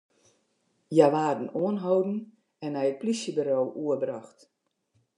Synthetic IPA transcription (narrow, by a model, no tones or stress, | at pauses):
jaʋaːrdən̩uənɦowdn̩ | ɛnɛjət̚plisjəbəɾoːʔuərbraxt